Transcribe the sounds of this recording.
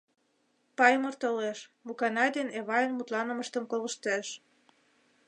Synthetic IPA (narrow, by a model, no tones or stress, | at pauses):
pɑjmərt̪oleʃmukɑnɑjd̪eneβɑjənmut̪lɑnə̆məʃt̪əmkoləʃt̪eʃ